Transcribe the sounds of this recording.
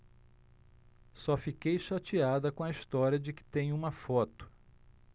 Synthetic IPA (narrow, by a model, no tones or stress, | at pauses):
sɔfikejʃat͡ʃiad̪ɐkõɐist̪ɔɾiɐd͡ʒɪkɪ̥t̪ẽj̃ũmɐfɔt̪ʊ̥